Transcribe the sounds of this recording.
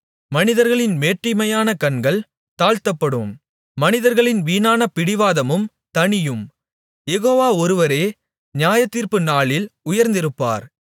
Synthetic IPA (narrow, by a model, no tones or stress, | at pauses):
mɐnɪðɐɾɣɐɭɪnmeːʈrɪmɐjaːnɐkɐnɡɐɭ | t̪aːɻt̪ɐpːɐɽɯmː | ɐnɪðɐɾɣɐɭɪnʋiːnaːnɐpɪɽɪʋaːðɐmɯm | t̪ɐɳɪjɯm | jɛɣoːʋaːɔɾɯʋɐɾeː | ɲjaːjɐt̪ːiːɾpɯnaːɭɪlʊjɐɾnd̪ɪɾɯpːa̰ːɾ